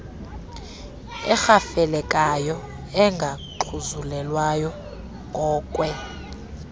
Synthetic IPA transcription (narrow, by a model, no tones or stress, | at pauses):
ɛ̰xafɛlɛkʼajɔ | ɛŋɡʱaǃʰuzulɛlwajɔ | ŋʱɔːkʼwɛ